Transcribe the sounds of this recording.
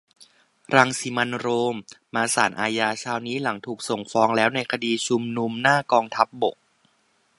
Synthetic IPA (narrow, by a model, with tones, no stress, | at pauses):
ɾaː˧ŋsi˨˩˦ma˧nɾoː˧mːaː˧saː˩˦nʔaː˧jaː˧t͡ɕʰaː˦˥wniː˦˥la˩˦ŋt̪ʰuː˨˩k̚so˨˩ŋfɔː˧ŋlɛː˦˥wna˧jkʰa˧diː˧t͡ɕʰu˧mnu˧mnaː˥˩kɔː˧ŋt̪ʰa˦˥p̚bo˨˩k̚